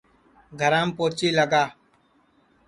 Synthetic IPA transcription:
ɡʱəɾãːmpoːt͡ʃiːləɡaː

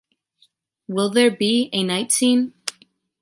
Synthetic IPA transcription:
wɪlˠðə˞biɨnaɪtsĩn

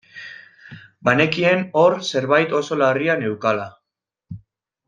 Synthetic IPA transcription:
bane̞kie̞no̞ɾse̞ɾβajt̪o̞so̞lariane̞wkala

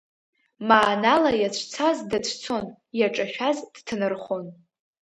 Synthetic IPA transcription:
maːnalajat͡ɕʷʰt͡sʰazdat͡ɕʷʰt͡sʰo̞n | jaʈ͡ʂʼaʃᶣazd̥tʰɨnɨrχon

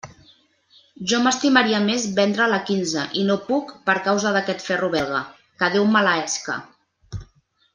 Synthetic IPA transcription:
ʒɔməst̪iməɾiəmezβɛnd̪ɾələkinzəʔinopukpəɾkawzəðəkɛt̪fɛruβɛlˠɣ̞ə | kəðewmalaɛskə̰

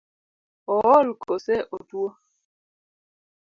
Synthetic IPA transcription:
ɔwɔlkosɛʔotuo

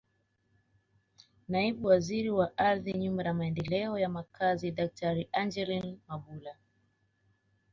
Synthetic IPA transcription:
naiɓuwaziɾiwaʔaɾðiɲumaɾamaɛndɛlɛɔjamakʰazidak̚tʰaɾiʔand͡ʒɛlinmaɓula

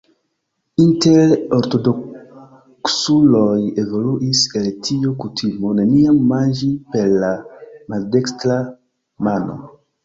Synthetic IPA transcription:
inteɾoɾto̞do | ksuloje̞vo̞luʔiseltʰiokutʰimoneniamːand͡ʒipe̞ɾlamaldekstɾa | mano̞̰

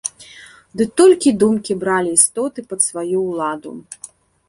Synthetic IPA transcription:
d̪ɨt̪ɔlʲkʲid̪umkʲibɾalʲiːst̪ɔt̪ɨpɐt̪svajuwlˠad̪ṵ

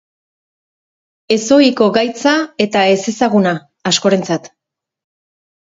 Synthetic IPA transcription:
e̞so̞iko̞ɣajt͡sae̞t̪ae̞se̞saɣ̞unaː | sko̞ɾe̞nt͡sat̪

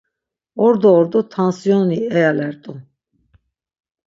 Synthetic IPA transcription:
ɔɾd̪ɔːɾd̪ut̪ʰansjɔniɛjalɛɾt̪ʼu

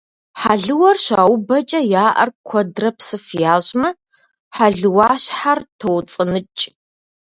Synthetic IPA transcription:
ħaɮɨwɐrɕaːwbɐt͡ʃʼɐjaːʔɐ̰rkʷʰɔdrɐpsɨfjaːʑʼmɐ | ħaɮɨwaːɕħartʰowt͡sʼɨnɨt͡ʃʼ

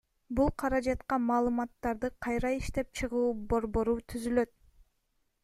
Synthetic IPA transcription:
bulˠqʰɑɾɑd͡ʒɑt̪qɑmɑːlˠɯmɑt̪ːɑɾd̪ɯqʰɑjɾɑiʃt̪e̞p̚t͡ʃʰɯʁuːbo̞ɾbo̞ɾut̪ʰyzylø̞t̪̚

